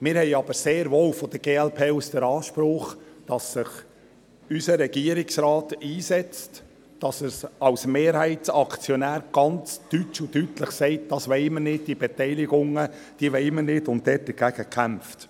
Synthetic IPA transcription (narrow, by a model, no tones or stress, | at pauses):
mɪːɾhɛɪɑb̥əɾseːɾvoːwfɔd̥̪əɡeːɛlpʰeːusd̥əɾɑːʃpɾʊχd̥ɑsːɪχ | ysəɾɛɡ̥iəɾɪksrɑːtiːsɛt͡st | d̥ɑsəsɑlsmeːɾhɛɪtsɑkʰt͡sjɔnæːɾɡ̥ɑnt͡stytutytləχsɛɪt̚d̥ɑsʋɛɪmənɪd̥̚d̥ibɛtɛɪlɪɡʊŋə | d̥iəʋɛɪmənɪdʊnt̚dɛt̚d̥əɡ̥æɡəkʰæmft